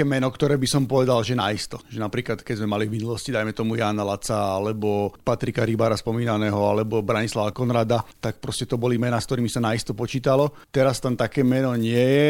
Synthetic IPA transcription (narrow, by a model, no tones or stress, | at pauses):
kɛːmɛnɔkt̪ɔɾɛːbisɔmpɔʋɛd̪alʒɛnaist̪ɔʒɛnapɾiːklat̪kɛzmɛmalivminulɔscid̪ajmɛt̪ɔmujaːnalat͡saalɛbɔpat̪ɾikaɾibaɾaspɔmiːnanɛːɦɔalɛbɔbɾaɲislaʋakɔnɾaːd̪at̪ak̚pɾɔscɛt̪ɔbɔlimɛnaːskt̪ɔɾiːmisanaist̪ɔpɔt͡ʃiːt̪alɔ | t̪ɛɾast̪ant̪akɛːmɛnɔɲɪɛjɛ